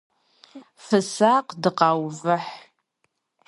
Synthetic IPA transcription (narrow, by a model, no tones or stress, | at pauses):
fɨsaqʼdɨqʼɑwvɨħ